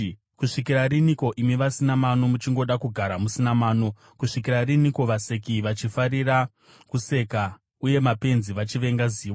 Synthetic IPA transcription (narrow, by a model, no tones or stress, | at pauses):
kuʂikiɾariniko̞ʔimiʋasinamanomut͡ʃiŋɡo̞ɗakuɡʱaɾamusinamaːno | kuʂik̬irariniko̞ʋase̞k̬iʋat͡ʃifaɾira | kuse̞ka | uje̞mape̞nziʋat͡ʃiʋe̞ŋɡaziːwa